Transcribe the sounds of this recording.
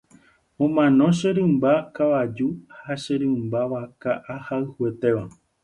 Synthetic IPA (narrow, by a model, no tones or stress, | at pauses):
õ̞mãnõ̞ʃeɾɨ̃mbakaʋad͡ʒuhaʃeɾɨ̃mbaʋakaʔahaɨhuet̪eʋa